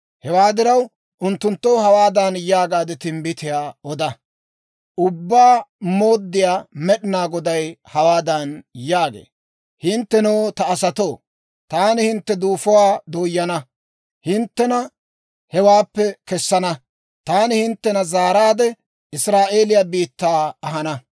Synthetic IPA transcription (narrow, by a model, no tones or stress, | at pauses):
hɛwaːd̪ɪɾɐw | ʔʊnt̪ːʊnt̪ːowhɐwaːd̪anjaːɡaːd̪ɛt̪ɪmbɪt̪ɪjaːɔd̪ɐ | ʔʊbːaːmo̞ːd̪ːɪjaːmɛɗɪnaːɡɔd̪ɐjhɐwaːd̪ɐnjaːɡḛː | hɪnt̪ːɛnoːt̪ɐːsɐt̪oː | t̪aːnɪhɪnt̪ːɛd̪uːfɔwaːd̪oːjːɐnɐ | hɪnt̪ːɛnɐ | hɛwaːpːɛkɛsːɐnɐ | t̪aːnɪhɪnt̪ːɛnɐzaːɾaːd̪ɛ | ɪsɾaːʔe̞ːlɪjaːbiːt̪ːaːɐɦɐnɐ